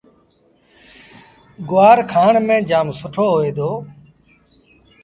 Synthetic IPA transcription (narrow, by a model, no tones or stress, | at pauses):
ɡʊaːɾkʰaːɳmẽːd͡ʒaːmsʊʈʰoːɦoːeːd̪oː